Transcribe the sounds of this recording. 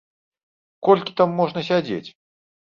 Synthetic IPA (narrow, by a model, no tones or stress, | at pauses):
kɔlʲkʲi̥t̪amːɔʐnɐs̬ʲad͡zʲḛt͡sʲ